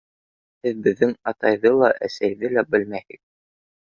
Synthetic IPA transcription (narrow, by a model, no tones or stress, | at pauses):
hɘðbɘ̆ðːɘŋɑt̪ɑjðɤlˠɑʔæsæjðɘlæbɘlmæhɘk̚